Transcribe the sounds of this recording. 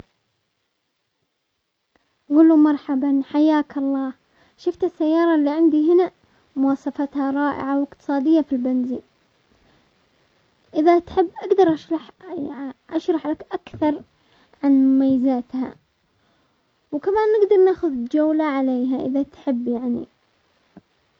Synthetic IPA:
ɣʊlːumɑɾˤħabanħajːaːkɑlˤːɑː | ʃʊft̪asːajːɑːɾˤɑlːiʕɪnd̪iɦɪna | mʊwɑːsˤɑfat̪haɾˤɑːʔɪ̰ʕawɪqt̪ɨ̥sˤɑːd̪ɪjːafilbanziːn | ʔɪðat̪ħɪbːʔaɡd̪ɑɾˤʔaʃħ | ʔaʃɾˤɑħlakʔakθɑɾˤ | ʕanmʊmajːazaːt̪ha̰ | wkamaːnːɪɡd̪ɑɾˤnaːxʊðd͡ʒawlaʕaleːɦaʔɪ̰ðat̪ħɪbːjaʕnḭ

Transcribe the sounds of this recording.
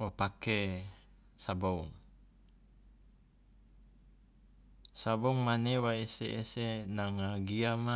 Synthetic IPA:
opake | sabouŋ | saboŋmanewaeseʔːsenaŋaɡiama

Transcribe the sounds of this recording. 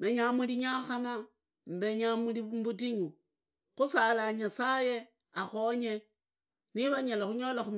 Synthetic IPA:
beɲamuliɲaxana | mbeɲamulimbutiɲu | xusalaɲasaje | axoɲe | niβaɲalaxuɲo̞laxum

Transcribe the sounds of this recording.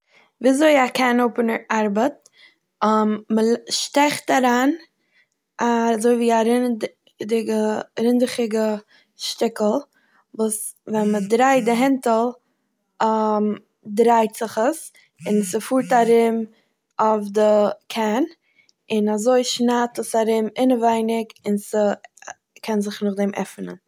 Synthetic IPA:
viːazoɪakʰɛnoʊpənəɾaɾbət̚ | məlʃtɛχtaɾaːn | azoɪviːaɾɪn | dɪɡəɾɪndɪχɪɡə | ʃtɪkl̩ˠ | vuːs | vɛnmədɾaɪdɪɦɛntəl̩ˠ | m | dɾaɪtz̥ɪχəs | ɪnsəfuːɾtaɾɪm | ɔfdəkʰɛn | ɪnazoɪʃnatəsaɾɪmɪnəvaɪnɪkɪnsə | kʰɛnzɪχnʊχdɛmʔɛ̰fnə̰n

